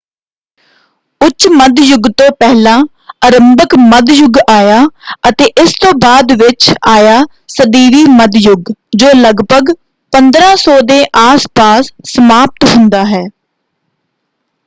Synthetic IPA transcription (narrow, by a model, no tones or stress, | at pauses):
ʊt͡ʃːməd̪jʊɡt̪õːpɛɦlãː | əɾəmbəkməd̪jʊɡaːjaːət̪eːʔɪst̪õːbaːd̪ʋɪt͡ʃaːjaː | səd̪iːɾiːməd̪jʊɡd͡ʒoːləɡbəɡ | pənd̪ɾãːsɔːd̪eːʔaːspaːsːəmaːp̚t̪ɦʊnd̪aːɦɛː